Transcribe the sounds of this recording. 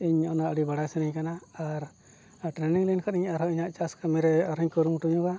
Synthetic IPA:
iɲɔnaʔɽibaɽasɛniɲkanaːɾ | ʈɾɛniŋlankʰɔɾiɲaɾɔiɲaʔt͡ʃaskamɛɾɛɔɾiɲkɔɾumuʈuɲuɡa

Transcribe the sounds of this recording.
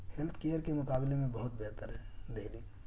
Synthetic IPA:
helt̪ʰkejəɾkemʊkaːblemẽbɐɦʊt̪̚bɛɦt̪əɾɦɛd̪eli

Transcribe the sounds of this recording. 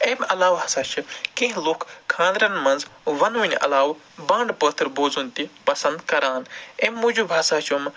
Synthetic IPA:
emɐlaːwɦɐsaːt͡ʃʰikeɦloːkkʰːãːnd̪ɾɐnmɐnzʋɐnunʲʔɐ̰laːw | bãːɳɖpət̪ʰɾboːd͡zunt̪ipɐsɐ̃nd̪kɐɾaːnemːud͡ʒubʱasaːt͡ʃʰom

